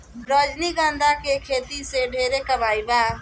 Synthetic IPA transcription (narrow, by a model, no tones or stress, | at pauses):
bɾəd͡ʒniɡãnd̪ʱakekʰet̪iseɖʱeɾekəbaːiba